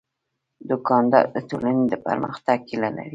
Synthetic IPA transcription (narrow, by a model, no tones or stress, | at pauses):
d̪ʊkɑnd̪ɑ̰ɾd̪ət̪olaned̪əpə̰ɾmə̰xt̪aɡ̚kilala̰ɾi